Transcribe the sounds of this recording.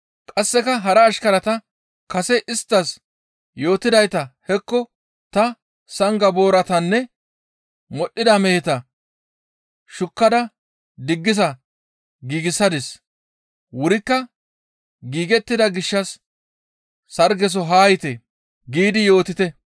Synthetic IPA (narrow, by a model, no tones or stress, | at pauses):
kʼɐsːɛkɐɦɐɾɐːʃkɐɾɐt̪ɐ | kɐsɛʔɪst̪ːɐs | jo̞ːt̪ɪd̪ɐjt̪ɐhɛkːɔ | t̪ɐ | sɐŋɡɐbo̞ːɾɐt̪ɐnːɛ | mɔɗʔːɪd̪ɐmɛhɛt̪ɐ | ʃʊkːɐd̪ɐ | d̪ɪɡːɪzɐ | ɡiːɡɪsːɐd̪ɪs | wʊɾɪkːɐ | ɡiːɡɛt̪ːɪd̪ɐɡɪʃːɐs | sɐɾɡɛs̬ɔɦaːjɪt̪e | ɡiːd̪ɪjo̞ːt̪ɪt̪ɛ